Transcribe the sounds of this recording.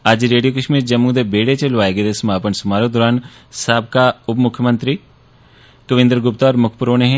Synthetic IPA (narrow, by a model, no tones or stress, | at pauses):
ad͡ʒɾeːɖijokəʃmiːɾd͡ʒəmːũd̪ebeːɽet͡ʃelʋaːeɡed̪esɐmaːpənsʊmaːɾõd̪ɔːɾaːn | saːb̚kaʊpmʊkʰːjəmə̃nt̪ɾiː | kəʋɪ̃nd̪ɾɡʊpt̪aɔːɾmʊkʰpʊɾoːneɦɛ̃